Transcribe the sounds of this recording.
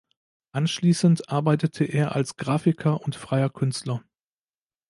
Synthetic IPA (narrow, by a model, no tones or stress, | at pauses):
ʔanʃliːsən̩tʔaɐbaɪtətʰəʔeːɐʔalsɡ̥ʁaːfɪkʰɐʔʊntfʁ̥aɪɐkʰʏnstlɐ